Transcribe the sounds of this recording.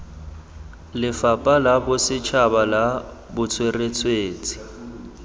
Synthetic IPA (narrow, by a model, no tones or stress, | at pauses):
lɪfapʼalabʊsɪt͡ʃʰabala | bʊt͡sʰweret͡sʰweːt͡sʼi̥